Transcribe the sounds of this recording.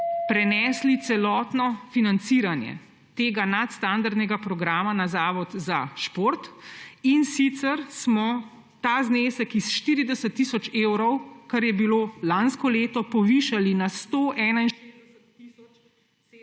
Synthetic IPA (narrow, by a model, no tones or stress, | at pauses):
pɾɛnɛːslit̪sɛlɔːt̪nɔfinant̪siːɾanjɛ̰ | t̪eːɡanat̪st̪and̪aɾd̪nɛɡapɾɔɡɾaːmanazaːʋɔt̪zaʃpoːɾt̪insit̪sɛɾsmɔ | t̪aːzneːsɛkisʃt̪iːɾid̪ɛsət̪ːiːsɔt͡ʃeːwɾɔwkaɾjɛbiloːlanskɔleːt̪ɔpɔʋiːʃalinast̪oʔɛːnain | i